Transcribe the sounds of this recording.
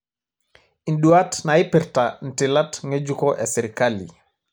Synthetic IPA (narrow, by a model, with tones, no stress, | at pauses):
i˨ndua˦tna˨ɪ˦pɪ˨ɾtan̩˨tɪla˦tŋe˦d͡ʒu˦kɔ˦ʔɛ˨sɪɾɪkalḭ˨